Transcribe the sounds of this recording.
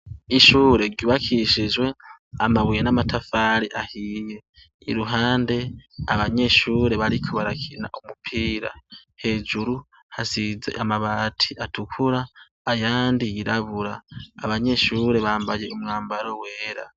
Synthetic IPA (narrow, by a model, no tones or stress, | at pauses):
iʃuːɾe̞ɾɟuβakʰiʃid͡ʒwe̞amaβijenamatʰafaːɾiʔahije̞ | ḭɾuɦaːnde̞aβaɲe̞ʃuːɾe̞βaɾikʰoβaɾakʰina̰ʔumupʰiːɾa̰he̞ːd͡ʒuɾu | hasize̞̰ʔamaβaːtʰiʔatukʰuɾaː | jaːndiːɾaβuɾaːβaɲe̞ʃuːɾe̞βaːmbaje̞umŋaːmbaɾo̞weːɾa̰